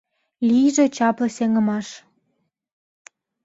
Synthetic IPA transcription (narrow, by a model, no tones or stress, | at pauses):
lʲijʒĕt͡ɕɑplɤ̆seŋə̆mɑʃ